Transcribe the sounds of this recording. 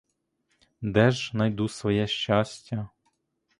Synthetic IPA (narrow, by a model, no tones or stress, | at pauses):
d̪ɛʒnɐjd̪usʋɔjɛʃt͡ʃɑsʲtʲːɐ